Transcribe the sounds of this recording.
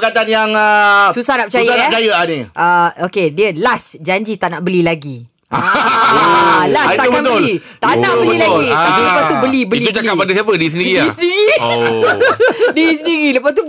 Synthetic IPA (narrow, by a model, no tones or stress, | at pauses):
əkat̪anjaŋsusahnaʔpət͡ʃajəaaət͡ʃajəanĩʔaokediəlasd͡ʒaɲd͡ʒit̪aʔnaʔbəlilaɡi | a | last̪aubəant̪əoli | t̪anaʔbəlbəilaɡit̪ailəpast̪ubəlibəliud͡ʒakapːadasiap̬ədis̬əndiɾiisəniɾi | dis̬əniɾiləpast̪u